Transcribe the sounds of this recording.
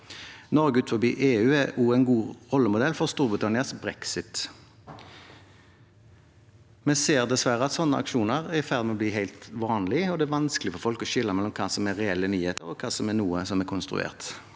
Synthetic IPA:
nɔʁɡəʉːt̪fɔbiːʔeːʉːɛuːæɪnɡuːʁɔlːəmʊd̪ɛlːfɔʁst̪uːɾbʁɪt̪ʰɑnɪɑsbʁɛksɪt̪ | mɛseːʁd̪ɛsʋæɾəɑt̪sɔnːəʔɑ̰kʃuːnəʁɛfæʁd̪mɛɔbliːɦæɪlt̪ʋɑːnlɪɔd̪ɛæːʋɑnskəlɪfɔɾfɔlkɔʃɪlːəɑmɛlːɔmkʰɑːsɔmɛʁɛɛlːənyːheːt̪əʁɔkʰɑːsɔmɛnuːəsɔmɛkʰʊnst̪ɾʉ̰ḛːʁt̪

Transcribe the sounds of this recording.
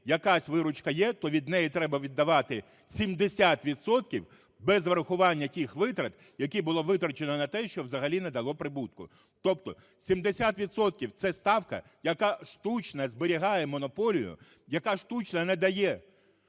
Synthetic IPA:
jɐkasʲʋɪɾʊt͡ʃkɐjɛt̪ɔʋʲid̪nɛjit̪ɾɛbɐʋʲid̪ːɐʋɑt̪ɪ | sʲimd̪esʲat̪ʋʲid̪sɔt̪kʲiw | bɛzʋɐɾɐxʊʋɑnʲːɐtʲixʋɪt̪ɾɐt̪ | jɐkʲibʊlˠɔʋɪt̪ɾɐt͡ʃenɔnɐt̪ɛʃt͡ʃɔwzɐɦɐlʲined̪ɐlˠɔpɾɪbut̪̚kʊ̰ | t̪ɔp̚t̪ɔ | sʲimd̪esʲat̪ʋʲid̪sɔt̪̚kʲiwt̪sɛst̪ɑwkɐ̰ | jɐkɑʃt̪ut͡ʃnɐzbɪɾʲiɦɑjɛmɔnɔpɔlʲijʊ̰ | jɐkɑʃt̪ut͡ʃnɐnɛd̪ɐjɛ

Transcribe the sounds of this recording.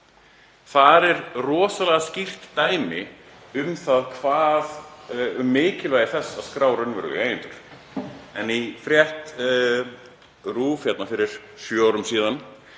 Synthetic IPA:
θaðɛɾrɔːsalɛɣascir̥t̪ːaːjmɪ | ʏmθaðkʰvaːðʏmːɪːcɪlvajðɪθɛsːaðskɾaːwɾʏnvɛ̰ːɾʏ̰eːjɪnt̪ʏɾ̥ | ɛnifɾjɛht̪ | ruːfjɛt̪nafɪɾɪɾ̥ | sjœːaːwɾʏmsiːðan

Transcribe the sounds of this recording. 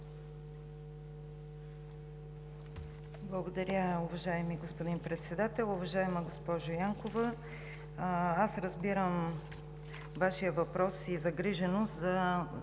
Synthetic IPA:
blˠəɡod̪ɐɾʲəʊvɐʒaɛmiɡospod̪inpɾɛt̪sɛd̪at̪ɛlˠʊvɐʒaɛməɡospɔʒʊjaŋkovə | asɾəzbiɾəm | vaʃijəvɐpɾɔsizɐɡɾiʒɛnost̪zɐ

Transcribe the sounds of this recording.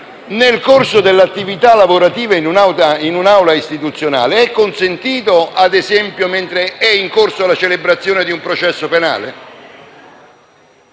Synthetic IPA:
nelkorsod̪elːat̪ːivit̪alːavoɾat̪iːvainunawt̪ainunawlaist̪it̪ut̪sːjona̰ːleɛkːonsent̪iːt̪oad̪ezɛmpjoment̪ɾeɛiŋkorsoalat͡ʃelebɾat̪sːjoːned̪iumpɾot͡ʃɛsːopena̰ːle

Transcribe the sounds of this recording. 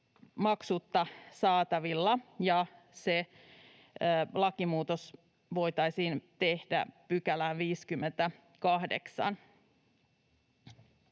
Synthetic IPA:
mɑksut̪ːɑsɑːt̪ɑʋilːɑjɑ | se | lɑkimuːt̪os | ʋo̞jt̪ɑisiːnt̪ehdæ̰pykælæʋiːskymːent̪æ | kɑhdḛksɑ̰n

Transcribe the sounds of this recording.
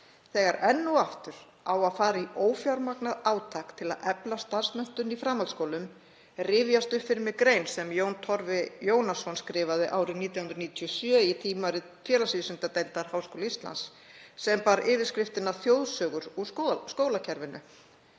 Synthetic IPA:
θɛːɣaɾɛnːuaft̪ʏɾ̥ | awaðfaːɾaiʔoːwfjaɾmaknaðaːwt̪ʰakt̪ʰɪla̰ðɛplast̪ansmœn̥t̪ʏnifɾaːmalt̪skowlʏm | rɪːvjast̪ʏpfɪɾmɪkɾejnsɛmjownt̪ʰɔɾvɪjoːwnasɔnskɾɪːvaðɪʔaːwɾɪniːt̪jawhnɾniːt̪ʰiɔsjœːit̪ʰiːmaɾɪ | t̪fjɛːlasiðsʏnt̪at̪ejlt̪aɾ̥haːwskowlaist̪la̰nsː | ɛmpaːɾʔɪːvɪɾskɾɪft̪ɪnaθjowðsœːɣʏɾuskoːwlacʰɛɾvɪnʏ̰

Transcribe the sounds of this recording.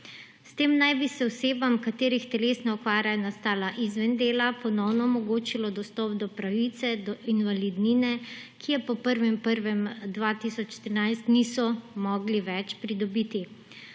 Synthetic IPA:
st̪eːmnajbisɛɔseːbamkat̪eːɾixt̪ɛleːsnaɔkʋaːɾʲjajɔnast̪aːlaʔizʋɛnd̪eːlapɔnɔwnɔɔmɔɡoːt͡ʃilɔd̪ɔst̪ɔp̚d̪ɔpɾaʋit̪sɛd̪ɔʔinʋalid̪niːnɛkʰijɛpɔpəɾʋimpəɾʋɛmd̪ʋat̪isɔt͡ʃt̪ɾinajst̪niːsɔmɔːɡliʋɛt͡ʃpɾid̪ɔbiːt̪i

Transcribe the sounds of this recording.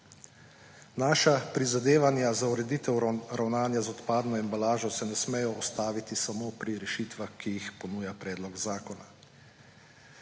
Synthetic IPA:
naːʃapɾizad̪eːʋanjazauɾɛd̪iːt̪ɛwɾʔawnaːnjazɔt̪paːd̪nɔɛmbalaːʒɔsɛnɛsmɛjɔɔst̪aːʋit̪isamopɾiɾɛʃit̪ʋaxkːijixpɔnuːjapɾɛːd̪lɔɡzaːkɔna

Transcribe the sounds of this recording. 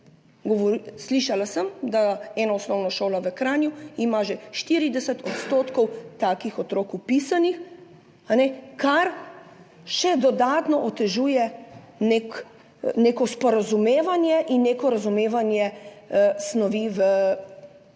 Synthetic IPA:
ɡɔʋɔɾsliːʃalasəmd̪aɛːnaɔsnɔwnaʃoːlaʋəkɾaːnjuimaʒɛʃt̪iɾid̪ɛsət̪ɔt̪st̪oːt̪kɔwt̪aːkixɔt̪ɾoːkupisanix | anɛkaɾ | ʃɛd̪ɔd̪aːt̪nɔʔɔt̪ɛʒuːjɛ | nek | neːkɔspɔɾazumeːʋanjɛʔinːeːkɔɾazumeːʋanjɛ | snɔʋiʋə

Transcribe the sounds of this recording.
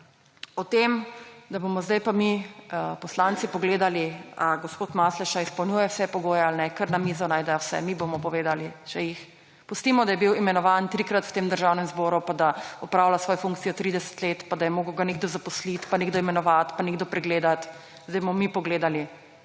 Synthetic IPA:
ɔt̪emd̪abomɔzd̪ajpamipɔslant̪sipɔɡleːd̪aliaɡospoːt̪maslɛʃaispɐwnʲjuːjɛwsɛpɔɡoːjɛalnɛkəɾnamizɔnaːjd̪ɛjɔwsɛ̰mibomɔpɔʋeːd̪alit͡ʃɛjix | pust̪imɔd̪ajɛbiwimɛnɔʋant̪ɾikɾat̪wt̪eːmd̪əɾʒawnɛmzbɔːɾupad̪aɔpɾawlasʋɔjfũŋkt̪sijɔt̪ɾiːd̪ɛsɛ̥t̪leːt̪pad̪ajɛmoːɡəwɡaneɡd̪ɔzapɔslit̪paneɡd̪ɔimɛnɔʋat̪paneɡd̪ɔpɾɛɡleːd̪at̪ | zd̪ɛjbomɔmipɔɡleːd̪ali

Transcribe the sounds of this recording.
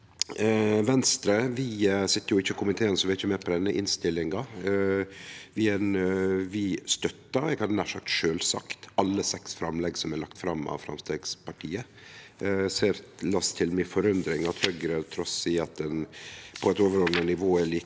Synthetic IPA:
ʋɛnst̪ɾəʋɪsɪt̪ːəɾjʊɪçːəkʰʊmɪt̪ʰeːənsɔʋɪæɾɪçːəmɛːpʰɔd̪ɛnːəʔɪnst̪ɪlːɪŋɑ | ʋɪɛnʋɪst̪œt̪ːɑɾɛɡɑnæʂɑk̚t̪ʂøːlsɑ̰kt̪ɑlːəsɛksfɾɑ̰mlɛɡsɔmæɭɑkt̪fɾɑmːɑ̰ʋfɾɑ̰mst̪eɡspʰɑʈʰiːə | seːɾlɑst̪ʰɪlmɪfɔɾʉnd̪ɾɪŋɑt̪hœɡɾət̪ʰɾɔsɪɑt̪̚d̪ɛnpʰɔɛt̪oːʋəɾɔd̪nənɪʋoːæɭiː

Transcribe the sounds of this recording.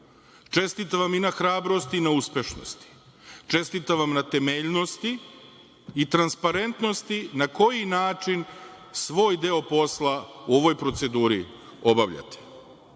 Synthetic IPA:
t͡ʃe̞st̪it̪aʋaminaxɾaːbɾost̪iːnauspʲeʃno̰st̪i̥ | t͡ʃe̞st̪it̪aʋamnat̪e̞meʎno̞st̪iː | t̪ɾanspaɾe̞nt̪no̞st̪inako̞jinaːt͡ʂin | sʋo̞ːjd̪eo̞po̞slauo̞ʋo̞jpɾo̞t̪se̞d̪uːɾi | o̞baʋʎa̰t̪ʰe̥

